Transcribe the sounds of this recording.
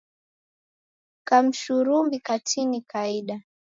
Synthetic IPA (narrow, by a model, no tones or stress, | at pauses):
kam̩ʃuɾumbikatʰinikʰaiɗa